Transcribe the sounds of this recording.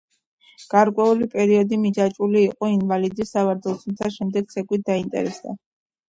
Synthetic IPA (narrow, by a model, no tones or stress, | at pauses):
ɡ̥aɾkʼwɛulipʼɛɾiɔd̪imid͡ʒat͡ʃʼuliːqʼɔinvalid̪isːavaɾd̪ɛlˠt̪ʰumt̪sʰaʃɛmd̪ɛɡ̥̚t̪sʰɛkʼwit̪̚ʰd̪aint̪ʼɛ̰ɾɛsd̪a̰